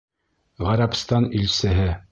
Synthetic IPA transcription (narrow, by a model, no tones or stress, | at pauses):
ʁæɾɑpst̪ɑnilsɘ̆ɦɘ